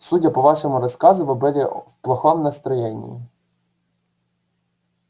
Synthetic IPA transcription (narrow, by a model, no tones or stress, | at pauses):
sudʲɐpɔʋɑʃɔmʊɾɔskɑzʊʋɪbɪɾʲɛwplˠɐxɔmnɐst̪ɾɔjɛnʲḭjḭ